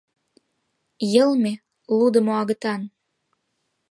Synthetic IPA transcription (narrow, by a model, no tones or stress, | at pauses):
jəlme | lud̪ə̆moɑɣət̪ɑn